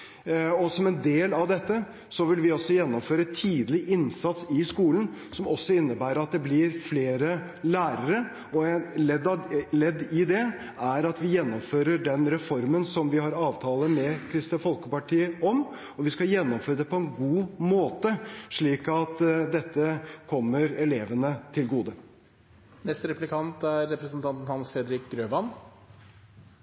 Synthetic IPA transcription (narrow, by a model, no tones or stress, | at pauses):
ɔsɔmɛnd̪eːlɑʋd̪ɛt̪ːə | sɔʋɪlʋɪɔsːɔjɛnːɔmføːɾət̪ʰiːd̪əlɪʔɪnsɑt̪sɪskuːlən̩sɔmɔsːɔɪnːəbæːɾəɾɑt̪̚d̪ɛblɪɾfleːɾə | læːɾəɾə | ɔɛnlɛd̪ɑlɛd̪ːɪd̪ɛ | æɾɑt̪ʋɪjɛnːɔmføːɾəɖɛnɾɛfɔɾmənsɔmʋɪhɑɾɑːʋt̪ʰɑːlˠəmɛkʰɾɪst̪əfɔlkəpɑʈʰiːəɔm | ɔʋɪskɑjɛnːɔmføːɾəd̪ɛpʰɔɛnɡuːmoːt̪əʂɭiːkɑt̪d̪ɛt̪ːəkʰɔmːəɾɛleːʋənət̪ʰɪlɡuːd̪ə | nɛst̪ɾɛplɪkʰɑnt̪æɾːɛpɾəsn̩t̪ʰɑnt̪n̩hɑnsfɾɛd̪ɾɪk̚ɡɾøːʋɑn